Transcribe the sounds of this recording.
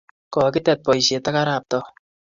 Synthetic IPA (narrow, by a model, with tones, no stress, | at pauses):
kɔ˨kɪ˦tɛ˨t̚pɔ˨jʃe˨ta˦ka˦ɾa˨p̚tɔ˨